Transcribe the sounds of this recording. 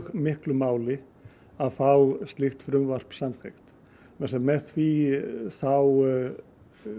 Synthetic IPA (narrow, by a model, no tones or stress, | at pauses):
ɣmɪhklʏmaːwlɪ | aðfawst̪lɪxt̪fɾʏmvar̥psamθext̪ | mɛsɛmmɛθviθaw